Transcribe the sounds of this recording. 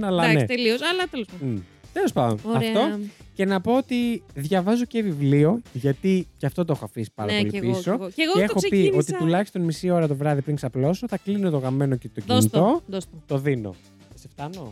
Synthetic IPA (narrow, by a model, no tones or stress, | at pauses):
ɐlɐnneeliosɐlɐt̪elosɐt̪e̞lo̞spɐd̪o̰nɐft̪o̞ce̞nɐpo̞ot̪iðʝɐvɐzo̞cevivlio̞ʝɐt̪iceɐft̪o̞t̪oexo̞ɐfisi̥pɐ̰ɾɐplipiso̞eɣoexopio̞t̪it̪ulɐçi̥st̪o̞nmisio̞ɾɐt̪o̞vɾɐðipɾiŋksɐplo̞soθɐklinot̪o̞ɣɐme̞nocet̪ociit̪o̞d̪ost̪ot̪o̞ðino̞̰ | seft̪ɐno̞